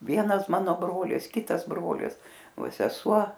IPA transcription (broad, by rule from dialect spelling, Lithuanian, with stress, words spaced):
ˈʋʲiɛnɐs ˈmɑːnoː ˈbroːlʲɪs ˈkʲɪtɐs ˈbroːlʲɪs ˈʋɐ sʲɛˈsuɔ